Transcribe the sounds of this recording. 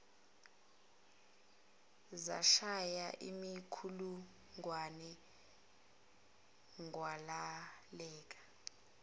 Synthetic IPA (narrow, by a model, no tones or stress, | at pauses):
za̰ʃajaʔḭmikʰulu | ŋwanɛ | ŋwalalɛːkʼḁ